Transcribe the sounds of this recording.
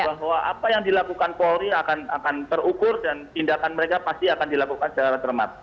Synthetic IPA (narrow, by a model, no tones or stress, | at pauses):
baɦwaʔapajaŋdilakukanpoɾiakana̰kant̪ərukʊrdant̪indakanməɾekapast̪iakandilakukansət͡ʃaɾat̪ərma̰t̪̚